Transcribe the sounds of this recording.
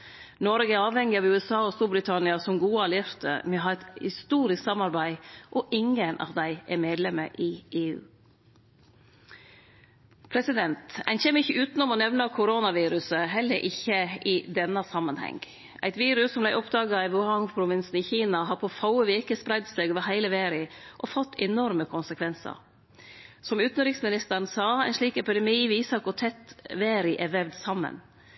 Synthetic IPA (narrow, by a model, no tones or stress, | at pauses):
nɔɾɡəæɑːʋhɛŋːɪɑʋʉːɛsɑːɔst̪uːɾbɾɪt̪ʰɑnɪɑsɔmɡuːɑlɪɾt̪ə̰mɛɦɑɾɛt̪hɪst̪uːɾɪsksɑmɑɾbæɪʔɔʔɪŋənʔɑ̰ʋd̪æɪʔɛɾmeːd̪lɛmə̰ʔɪʔeːʉ̰ː | pʰɾɛsɪd̪ɛnt̪æ̰nçeːməɪçːəʉːt̪nɔmɔnɛʋnɑkʰʊɾoːnɑʋiːɾʉsəɦɛlːəɾʔɪçːəɪd̪ɛnːɑsɑmːənhɛ̰ŋɡ | æ̰ɪt̪ʋiːɾʉsːɔmlæɪʔɔpd̪ɑːɡɑiʋʊhɑŋpʰɾʊʋɪnsn̩iːçiːnɑɦɑpʰoːfɑʊəʋeːkəspɾæɪd̪st̪øːɡʋɑɦæɪləʋeːɾɪʔɔfɔt̪ːɛnɔɾməkʰʊnsəkʰʋɛnsə̰ɾ | sɔmʉːt̪n̩ɾɪksmɪnɪst̪əɾn̩sɑːæ̰ɪnʂɭiːkɛpɪd̪ɛmiːʋiːsɑkʊɾt̪ʰɛt̪ʋeːɾɪʔɛʋɛʋd̪sɑmːə̰n